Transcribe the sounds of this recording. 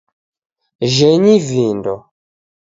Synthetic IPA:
ʒɛɲivindɔ

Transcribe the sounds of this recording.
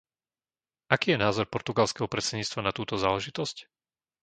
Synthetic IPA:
akiːjɛnaːzɔɾpɔɾt̪uɡalskɛɦɔpɾɛt̪t͡sɛɲiːt͡st̪ʋanat̪uːt̪ɔzaːlɛʒit̪ɔsc

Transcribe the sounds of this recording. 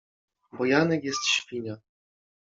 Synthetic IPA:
bɔjanɛkjɛst̪ɕfʲiɲa

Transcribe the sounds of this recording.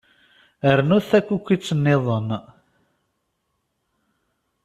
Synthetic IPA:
əɾnuθækʷːukʷːit͡sːənːeðˤən

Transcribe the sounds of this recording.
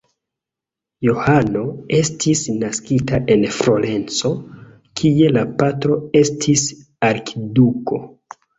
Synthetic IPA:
johano̞e̞stʰisnaskitaʔe̞nfɾo̞le̞nt͡so̞ | kʰie̞lapatɾo̞e̞stʰis | aɾkʰiduko̞

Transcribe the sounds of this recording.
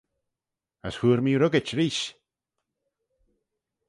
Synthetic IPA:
a̰shuːɾmiɾoɡɪt͡ʃɾiːʃ

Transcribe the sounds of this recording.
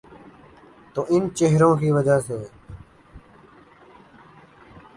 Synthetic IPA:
t̪oʔɪnt͡ɕeɦɾõːkiːʋəd͡ʒaːseː

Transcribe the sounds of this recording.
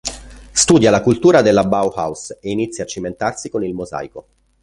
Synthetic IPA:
st̪uːd̪jalakult̪uːɾad̪elːabawha̰wseinit̪sːjat͡ʃːiment̪arsikonilmoza̰ːjko

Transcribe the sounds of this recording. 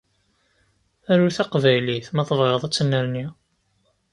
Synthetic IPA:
æɾuθæqvæjliθmæθəvʁəðˤæt͡sːnːæɾni

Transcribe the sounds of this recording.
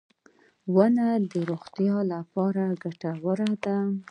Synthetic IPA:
wənad̪əɾoɣt̪jɑlapɑɾaɡaʈawəɾad̪a

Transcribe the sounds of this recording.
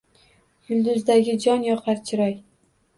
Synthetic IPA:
jʊlˠd̪ʊzd̪aɡʲɪd͡ʒɒnjɒqʰɑɾt͡ʃʰɪɾɒj

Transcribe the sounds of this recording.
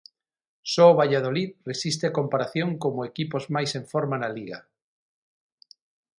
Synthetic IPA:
sɔoβaʎað̞oliðresist̪eakompaɾaθjoŋkomoekipozmajseɱfoɾmanaliɣa̰

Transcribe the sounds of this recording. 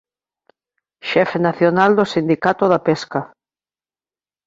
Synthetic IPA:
ʃɛfenaθjonald̪osind̪ikat̪oðapeska

